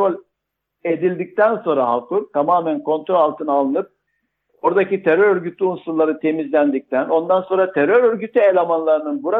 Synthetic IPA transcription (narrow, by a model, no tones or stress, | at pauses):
ɾolʲ | e̞d̪ilʲd̪ic̚t̪ʰænso̞nɾaɦakuɾt̪ʰamaːmænkʰo̞nt̪ɾolʲalˠt̪ʰɯnalˠɯnɯp̚ | oɾd̪acit̪ʰeɾøɾøɾɟyt̪lʲiunsulˠːaɾɯt̪ʰe̞mizlʲænd̪ic̚t̪ʰæno̞nd̪anso̞nɾat̪ʰeɾøɾøɾɟyt̪ʰyelʲamanlˠaɾɯnɯnbuɾa